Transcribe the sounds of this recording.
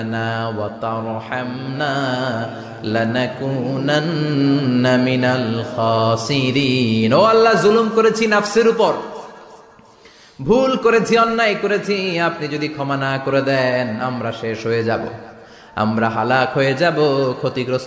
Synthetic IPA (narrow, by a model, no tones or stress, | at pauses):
nawat̪ɑɾħamna | lanakunanː | aminalxaːsiɾiːnoalːazulumkoɾet͡ɕʰinafseɾupoɾ | bʱulkoɾet͡ɕʰiɔnːajkoɾet͡ɕʰiapnid͡ʑod̪ikʰɔmanakoɾed̪ɛna̰mɾaʃeʃɦojed͡ʑabo̰ | a̰mɾaɦalakɦojed͡ʑabokʰot̪ikɾos